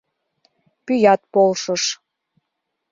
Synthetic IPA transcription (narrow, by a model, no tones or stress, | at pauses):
pyjɑt̪̚polʃəʃ